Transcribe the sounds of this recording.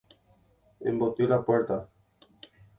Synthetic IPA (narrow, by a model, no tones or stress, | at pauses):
ḛmbot̪iɾapweɾt̪a